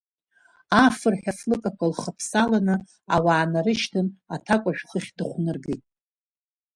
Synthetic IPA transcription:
afɨrħʲᶣaflɨkʼakʷalχəpʰsalanɨ | awaːnaɾɨʃtʰɨnatʰakʷʼaʒᶣχəχʲdɨχʷnɨrɡejtʼ

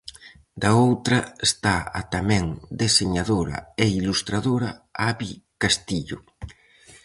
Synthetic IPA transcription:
d̪aowt̪ɾɐest̪aat̪amɛŋd̪eseɲaðoɾɐ̰eilust̪ɾaðoɾɐaβikast̪iʎʊ

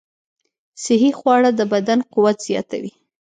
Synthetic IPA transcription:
sɪɦixwɑɽad̪əbad̪anquwat̪z̥jɑ̰t̪awi

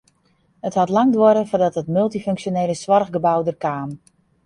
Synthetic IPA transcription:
həthɔtlaŋdwoɾəfɔdɔtɦətmɵlˠtiføŋksjoneːləsʋɔrɣɡəbawdərkaːm

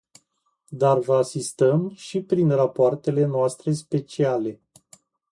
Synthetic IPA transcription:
d̪arvəasist̪əmʃipɾinrapoart̪e̞le̞noast̪ɾe̞spe̞t͡ʃiale̞

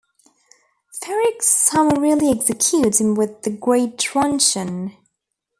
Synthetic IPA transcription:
fɛɹɪksʌməɹɪlˠiɛksɨkʰj̥ʉtsɨ̃nwɪðɨɡɹeɪtʰɹ̥ʌ̃nʃɨ̃n

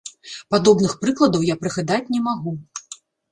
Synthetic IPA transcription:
pad̪ɔbnɨxpɾɨklˠɐd̪ɐwjapɾɨɣad̪at͡sʲnʲɛmaɣu

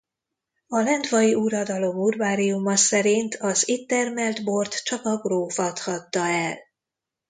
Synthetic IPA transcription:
ɒlɛnt̪vɒjiuɾɒd̪ɒlo̞murvaːɾiumɒsɛɾint̪ʰɒzit̪ːɛrmɛld̪bo̞rt̪t͡ʃɒkɒɡroːfɒt̪hɒt̪ːɒɛl

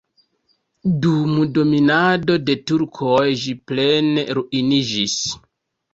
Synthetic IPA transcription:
dumudo̞minado̞de̞tuɾkʰojʒiple̞ne̞̰ɾuʔinid͡ʒis

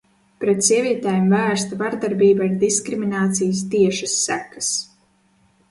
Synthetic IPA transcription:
pɾɛt̪sʲiɛvʲiɛt̪ɛːjemvæːɾst̪avaɾd̪aɾbiːbaiɾd̪iskɾiminaːt̪sijəs̬t̪iɛʃasːækḁs

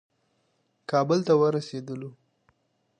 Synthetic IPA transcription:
kɑbəlt̪awəɾased̪əlo

